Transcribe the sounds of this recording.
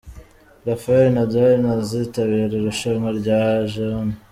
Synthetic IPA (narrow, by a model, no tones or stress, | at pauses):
ɾafaenadainazitaβiːɾeɾuʃaŋaɾɟaʒona